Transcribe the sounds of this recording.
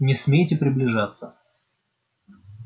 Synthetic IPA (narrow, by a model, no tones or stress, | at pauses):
nʲɪsmʲejtʲɪpɾʲɪblʲɪʐat̪sə